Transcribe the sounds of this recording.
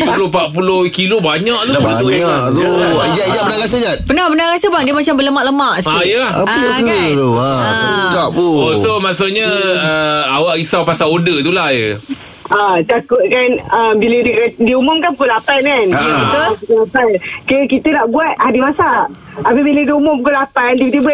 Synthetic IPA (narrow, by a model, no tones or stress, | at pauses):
pulopaʔ̚p̬ulohkilobaɲaʔt̪uabt̪uɲat̪ad͡ʒad͡ʒabənaɣas̬əd͡ʒat̪̚bənabənaɣasəbaŋdiəmat͡ʃambələmaʔləmaʔsikjəlahaəat̪uasaɡaʔpuosomasoʔɲəəawaʔisawpasaodət̪ulahjə | ʔat̪akʊt̪̚kanəmbilədikdiumʊmkanpukulapankanbəʊapukulapankəkit̪ənaʔbuat̪̚hadimasa | apəbilədiumʊmpkulapandikit̪iba